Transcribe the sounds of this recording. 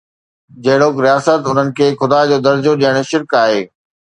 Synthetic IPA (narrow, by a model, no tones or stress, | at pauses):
d͡ʑɐɦɪɽ̤oːkɾijaːsət̪ʊn̤ənɪ̆kʰeːxʊd̪aːd͡ʑoːd̪ɐɾd͡ʑoɗijəɽ̃ʃɪɾkaːɦeː